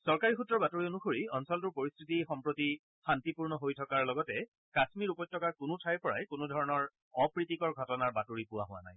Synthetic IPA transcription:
sɔɹkaɹixutɹɔɹbatuɹionuxoɹiɔnsɔltʊɹpoɹistʰɹitixɔmpɹoti | xantipuɹnɔɦojtʰɔkaɹlɔɡɔtɛ | kasmiɹupɔjt̚ʰːɔkaɹkʊnʊtʰajpɔɹa̰jkonʊdʱɔɹɔnɔɹ | ɔpɹitikɔɹɡʱɔtɔnaɹbatuɹipʊwa̰ɦʊwa̰na̰j

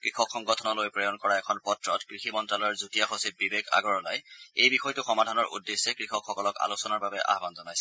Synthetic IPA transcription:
kɹixɔkxɔŋɡɔtʰɔnɔlojpɹɔjɔnkɔɹaɛkʰɔnpɔtɹɔtkɹiximɔntɹalɔɹzutijaxosibibeɡa̰ɡɔɹɔlajejbixɔjtʊxɔmadʱanɔɹʔṵdːesːɛkɹixɔkʰxɔkɔlɔka̰losɔnaɹbabɛʔa̰ɦbanzɔnajsɛ

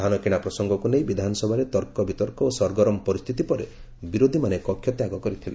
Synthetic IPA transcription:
d̪ʱanɔkiɽ̃apɾɔsɔŋɡɔkunej̃bid̪ʱanɔsɔbʱaɾet̪ɔɾkɔbit̪ɔɾkɔosɔɾɡɔɾɔmpɔɾist̪ʰit̪ipɔɾe | biɾod̪ʱimanekɔkʰːjɔt̪jaɡɔkɔɾit̪ʰile

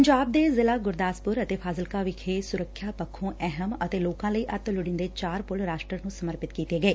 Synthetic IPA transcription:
əɲd͡ʒaːb̚d̪eːzɪlaːɡʊɾd̪aːspʊɾət̪eːpʰaːzəlkaːʋɪkʰeːsʊɾəkʰːjaːpəkʰːõːʔɛɦəmət̪eːloːkãːləiːʔət̪lʊɽɪ̃nd̪eːt͡ʃaːɾpʊlɾaːʃʈɾənũːsəməɾpɪt̪kiːt̪eːɡəeː

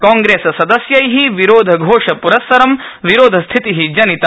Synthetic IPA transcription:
kãːŋɡɾeːsɐsɐd̪ɐsjɐjɦiʋiɾoːd̪ʱɐɡʱoːʂɐpuɾɐsːɐɾɐmʋiɾoːd̪ʱɐst̪ʰit̪iɦid͡ʒɐnit̪ɐ

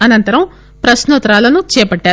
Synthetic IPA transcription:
ɐnɐnt̪ɐɾɐm | pɾɐsnɐt̪ɾaːlɐnut͡ʃɛːpɐɖːaː

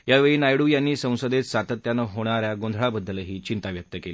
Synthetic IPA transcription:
jaʋeɭiːnajɽujanːiːsə̃w̃səd̪et̪sat̪ət̪janəɦoɽ̃aɾjaɡond̪ʱɭabəd̪ːəlɦiːt͡ɕint̪aʋjək̚t̪əkeliː

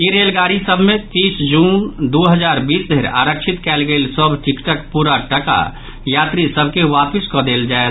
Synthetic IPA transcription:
iɾelɡaɾisəbʱmet̪isd͡ʒund̪uɦəd͡ʒaɾbisd̪ʱeɾa̰ɾəkt͡ʃʰit̪kɛlɡelsəbʱʈʰikʈəkpuɾaʈəka̰ | jat̪ɾisəbʱkeʋapiskɔd̪eld͡ʒaet̪

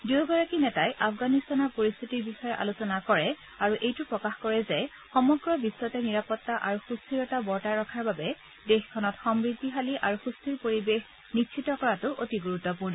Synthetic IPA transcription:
duɡɔɹakinɛtajʔafɡanistanɔɹpoɹist̪ʰitiɹbixɔjɛʔa̰lusɔnakɔɹɛ | aɹuʔejtupɹɔkaxkɔɹɛzɛ | xɔmɔɡɹɔbiswɔtɛniɹapɔtːaʔaɹuxustʰiɹɔtabɔɹtaɹːɔkʰaɹbabɛ | dexkʰɔnɔtxɔmɹid̪ʱːiɦaliʔaɹuxustʰiɹpoɹibex | nitʃʰitɔkɔɹatʊʔotiɡuɹutːɔpuɹnɔ

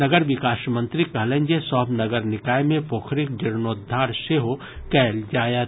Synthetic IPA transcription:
nɐɡəɾʋɪkaːʃmə̃nt̪ɾikɐɦlə̃ɲd͡ʒesɔːɦbnɐɡəɾnɪkaːjmẽpoːkʰɾɪk̚dɪɾnoːd̪ʱːaːɾʃeɦo | kɛːld͡ʒaːjət̪

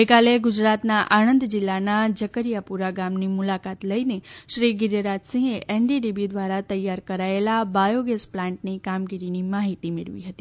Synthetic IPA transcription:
bekaleɡʊd͡ʒɾat̪naʔañənd̪d͡ʒɪlːanad͡ʒəkəɾijapuɾaɡamnimʊlakat̪ləineʃɾiɡɪɾɾad͡ʒsĩɦeʔenɖiɖibid̪ʋaɾat̪əjaɾkəɾaelabajoɡesplãɳʈ̚nikamɡiɾinimaɦit̪imɪɭʋḭɦət̪i

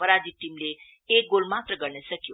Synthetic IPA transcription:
ʌɾad͡ziʈimle | ek̚ɡolmat̪rʌɡʌɾnʌsʌkjo

